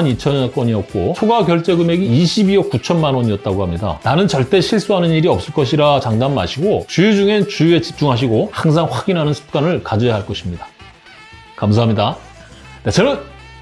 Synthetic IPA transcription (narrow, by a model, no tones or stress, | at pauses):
nit͡ɕʰʌnak͈wʌɲiʌt̚k͈ot͡ɕʰoɡaɡjʌɭt͡ɕ͈e̞ɡɯme̞ɡiːɕʰibiʌk̚kut͡ɕʰʌnmanwoɲiʌt̚t͈aɡohamɲida̰nanɯnt͡ɕʌɭt͈e̞ɕʰiɭs͈uɦanɯniɾiʌp̚s͈ɯɭk͈ʌɕ̬ʰiɾat͡ɕaŋdanma̰ɕʰiɡot͡ɕujud͡ʑuŋe̞t͡ɕujue̞t͡ɕi̥p̚t͡ɕ͈uŋɦaɕ̬ʰiɡohaŋs̬ʰaŋɸwaɡinɦanɯnsʰɯ̥p̚k͈anɯɭkad͡ʑʌjaɦaɭk͈ʌɕʰimɲida | kams̬ʰaɦamɲida | net͡ɕʌnɯn